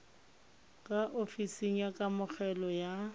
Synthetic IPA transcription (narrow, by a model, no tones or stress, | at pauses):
kʼaʔofisiŋ̩jakʼamʊχʰɛlɔja